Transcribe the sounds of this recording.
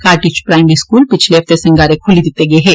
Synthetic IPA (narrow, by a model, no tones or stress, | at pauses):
kaːɾʈit͡ʃpɾaːɪmiskuːlpɪt͡ʃʰleɦɐft̪esɐ̃ŋɡaːɾekʰʊlid̪ɪt̪eɡɐeɦɛː